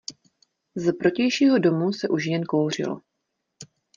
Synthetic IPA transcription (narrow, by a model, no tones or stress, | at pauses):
zɛpɾo̞cɛjʃiːɦo̞do̞musɛʔuʃjɛnkowr̝ɪ̰lo̰